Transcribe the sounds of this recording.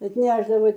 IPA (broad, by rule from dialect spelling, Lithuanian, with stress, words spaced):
ɐtʲˈnʲæːʒdɐʋɐɪ